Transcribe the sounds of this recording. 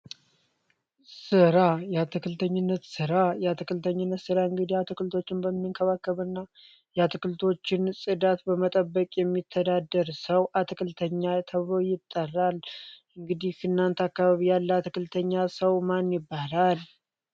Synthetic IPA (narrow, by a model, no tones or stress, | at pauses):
sɨɾajɛat̪ʰɨkɨlt̪ʰəɲːɪnːət̪sɨɾajat̪ʰɨkɨlt̪ʰəɲːɪnːət̪sɨɾaɨŋɡɨd̪ihat̪ʰɨkɨlt̪ʰo̞t͡ʃːɪnbəmːɨŋkʰəβakːəβɨnːa | jɛat̪ʰɨkɨlt̪ʰo̞t͡ʃːɪnsʼɨd̪at̪bəmət̪ʼəbːəkʼjɛmːit̪ʰːəd̪ad̪ːəɾsəwʔat̪ʰɨkʰɨlt̪ʰəɲːat̪ʰəβɨlojɪt̪ʼːərːalʔɨŋɡɨd̪ihkʰɨnːant̪akːaβaβijalːəat̪ɨkɨlt̪ʰəɲːasəwmanjɪbːalal